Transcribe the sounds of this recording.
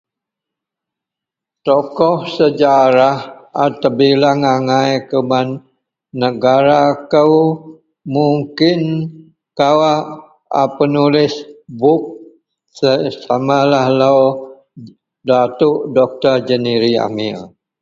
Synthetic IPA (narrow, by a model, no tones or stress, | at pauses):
t̪ɔkɔhsəd͡ʒaɾahat̪əbilaŋaŋajkəmanː | əɡaɾakəw | muŋkɪn | kawaʔ | a̰pənulɪsbʊk̚ | səsamalahlaw | dat̪uʔdɔk̚t̪ərd͡ʒəniɾia̰mil